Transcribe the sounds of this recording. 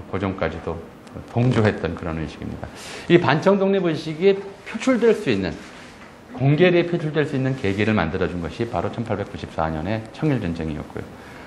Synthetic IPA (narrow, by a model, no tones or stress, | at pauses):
kod͡ʑʌŋk͈ad͡ʑido | toŋd͡ʑoɦe̞t̚t͈ʌnkɯɾʌnɯnɕʰiɡimɲḭdaipant͡ɕʰʌŋdoŋɲibɯnɕʰiɡipʰjot͡ɕʰuɭdweɭs͈uinːɯn | koŋɡeɾipʰjot͡ɕʰuɭdwe̞ɭs͈uinːɯnke̞ɡiɾɯɭma̰ndɯɾʌd͡ʑunɡʌɕʰipaɾot͡ɕʰʌnpʰaɭbe̞k͈uɕʰip̚s͈aɲʌne̞t͡ɕʰʌŋiɭd͡ʑʌnd͡ʑeŋiʌ̰t̚k͈o̰jo̰